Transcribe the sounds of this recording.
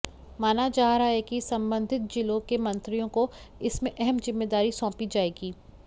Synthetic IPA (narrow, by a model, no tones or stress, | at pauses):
maːnad͡ʒaːɦɾaɦɛkisɐ̃mbə̃nd̪ʱɪt̪̚d͡ʒɪlokemɐ̃nt̪ɾijõkoɪsmẽʔɛɦɛmzɪmːeːd̪aːɾisɔ̃ːpid͡ʒaːeːɡiː